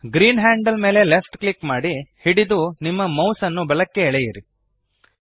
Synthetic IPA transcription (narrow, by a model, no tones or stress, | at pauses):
ɡɾiːnɦaːɳɖɐlme̞ːle̞lefʈkɭikmaːɽihiɽid̪unimːɐmɐwsɐnːubɐlɐkːe̞ɛɭejiɾi